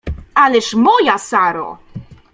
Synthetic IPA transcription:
alɛʂmɔjasaɾo̰

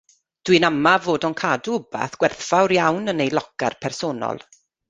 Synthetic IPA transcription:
d̥wɨnamavoːdɔnkʰaːduba̰θɡ̥wɛrθfawɾjawnənejlˠɔɡ̥a̰rpʰɛrsoːnɔ̰lˠ

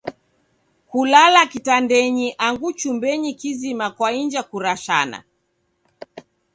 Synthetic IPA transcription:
kulalakitandɛɲiʔaŋɡut͡ʃumbɛɲikizimakwaiɲd͡ʒakuɾaʃa̰na̰

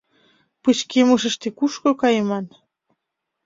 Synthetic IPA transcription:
pɨt͡ɕkemuʃ̬ə̆ʃt̪ekuʃkokɑjəmɑn

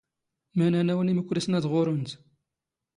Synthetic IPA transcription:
mænænæwəniməkʷːɾisnæðʁʊɾʊnt̪

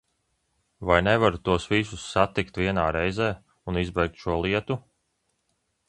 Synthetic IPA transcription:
vajnɛvaɾt̪uɔsvisusːat̪ikt̪viɛnaːɾɛjzɛː | unizbɛjk̚t̪ʃuɔlˠiɛt̪u

